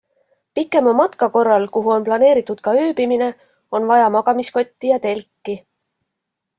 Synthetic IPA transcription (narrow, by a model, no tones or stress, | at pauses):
pikːˑe̞momɑt̪kɑko̞rːɑlkuɦuo̞nplɑne̞ːɾit̪ːˑud̪̥̚kɑøːbimine̞ | o̞nvɑjɑmɑɡ̥ɑmisko̞t̪ʲːijɑt̪e̞lkːi